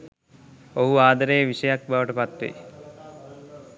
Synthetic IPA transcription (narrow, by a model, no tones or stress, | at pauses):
oɦuaːd̪aɾejəʋiʃəjak̚baʋəʈəpat̪ʋḛ